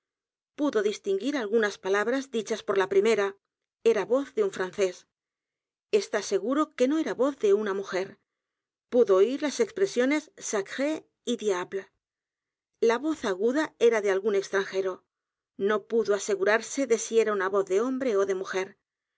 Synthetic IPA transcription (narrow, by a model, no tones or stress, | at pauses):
puðo̞ðist̪iŋɡiɾalɣunaspalaβɾazðit͡ʃaspo̞ɾlapɾime̞ɾa | e̞ɾaβo̞θðe̞uɱfɾanθe̞s | e̞st̪ase̞ɣuɾo̞ke̞no̞e̞ɾaβo̞θðe̞unamuxe̞ɾ | puðoiɾlase̞kspɾe̞sjo̞ne̞sːakxe | iðjapla | laβo̞θaɣuðae̞ɾaðealɣune̞kst̪ɾaŋxe̞ɾo̞ | no̞puðoase̞ɣuɾaɾse̞ðe̞sie̞ɾaunaβo̞θðe̞o̞mbɾe̞o̞ðe̞muxe̞ɾ